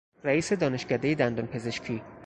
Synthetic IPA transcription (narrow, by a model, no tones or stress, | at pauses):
ɾæiːse̞d̪ɒːne̞ʃcæd̪e̞jed̪ænd̪onpʰe̞ze̞ʃcʰiː